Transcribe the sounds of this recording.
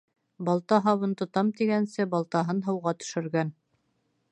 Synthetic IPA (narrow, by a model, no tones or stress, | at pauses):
bɑlˠt̪ɑɦɑwɤnt̪ŏt̪ɑmt̪iɡænsɘbɑlˠt̪ɑɦɤnɦɤ̆wʁɑt̪ɵ̥̆ʃɘ̆ɾɡæn